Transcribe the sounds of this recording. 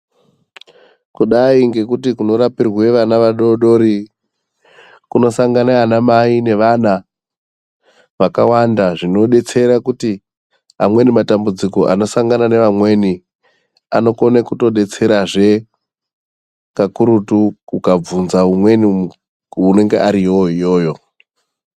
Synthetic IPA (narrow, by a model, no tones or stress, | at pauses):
kuɗaiŋɡe̞kutikuno̞ɾapirwe̞ʋanaʋaɗoɗo̞ɾi | kuno̞saŋɡaneanamaine̞ʋana | ʋakawandaʐino̞ɗe̞t͡se̞ɾakuti | amwe̞nimatambud͡ziko̞ʔa̰no̞saŋɡanane̞ʋamwe̞ːni | ano̞ko̞nekuto̞ɗe̞t͡se̞ɾaʐe̞ | kakuɾutuukab͡vunzaumwe̞ni | une̞ŋɡe̞ʔaɾioɦijo̞ːjo̞